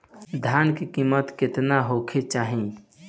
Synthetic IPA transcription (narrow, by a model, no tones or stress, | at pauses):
d̪ʱjankekiːmːət̪kɪt̪naɦokʰet͡ʃaːɦĩ